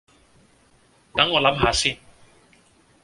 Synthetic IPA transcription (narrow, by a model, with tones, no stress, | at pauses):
ta˨˦ŋŋɔ˨˧la˨˦mɦa˨˦si˦˨n